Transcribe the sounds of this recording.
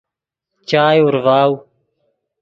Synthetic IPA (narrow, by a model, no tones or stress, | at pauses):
t͡ʃaːjʊɾʋaːu